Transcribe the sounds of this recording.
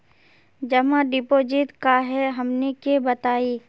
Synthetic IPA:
d͡ʒɐmãɖɪpoːd͡ʒɪt̪kaɦɛɦɐmnekebɐt̪aːiː

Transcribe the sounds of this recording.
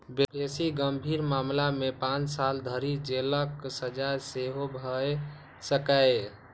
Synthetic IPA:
bebesiɡəmbʱiɾmamlamepãt͡ʃsald̪ʱəɾid͡ʒeləksəd͡ʒaseɦobʱə | səkae

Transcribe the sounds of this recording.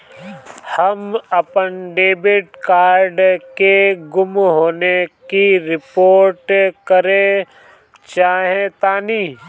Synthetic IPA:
hɐmɐpənɖeːbɪʈkaːɾɖkeɡʊmɦoːnekiɾɪpoːɾʈkɐɾẽ | t͡ʃaːɦẽt̪aːniː

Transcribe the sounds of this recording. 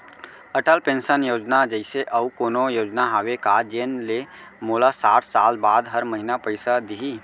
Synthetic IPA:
əʈəlpẽːnʃənjoːd͡ʒnad͡ʒəɪseʔɐukoːnojoːd͡ʒnaɦaːʋekad͡ʒenle | moːlasa̰ːʈʰsaːlbaːd̪ɦəɾməɦɪnapəɪsad̪iɦiː

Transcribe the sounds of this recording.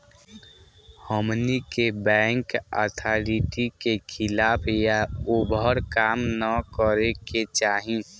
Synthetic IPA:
həmnikebɛ̃ːŋkə̰t̪ʰaɾiʈikekʰɪlaːpʰjaubʱəɾkaːmnəkəɾeket͡ʃaːɦĩ

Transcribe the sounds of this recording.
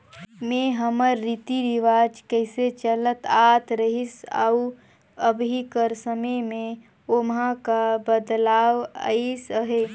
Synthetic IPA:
mẽɦəməɾːit̪iɾiʋaːd͡ʒkəɪset͡ʃələt̪aːt̪ʰɾəɦisa̰u | əbʱikəɾsəməjmẽ | omɦãkabəd̪laːwa̰isəɦe

